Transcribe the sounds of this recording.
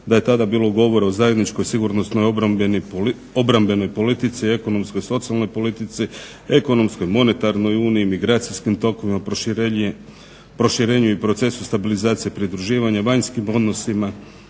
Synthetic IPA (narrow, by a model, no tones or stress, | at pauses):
d̪aje̞t̪ad̪abiːlˠoɡo̞ʋo̞ɾaozajed̪nit͡ʃko̞jsiɡuɾnost̪nojobbeni | o̞bɾambe̞no̞jpo̞lit̪it̪sie̞ko̞no̞msko̞jso̞t̪sialˠno̞jpo̞lit̪it̪si | e̞ko̞no̞msko̞jmo̞ne̞t̪aɾno̞juːniimiɡɾaːt̪siskimt̪o̞ko̞ʋima | pɾo̞ʃiɾe̞ːɲuipɾo̞t̪se̞sust̪abilizaːt̪sijepɾid̪ɾuʒiːʋaɲaʋaɲskimo̞d̪no̞sima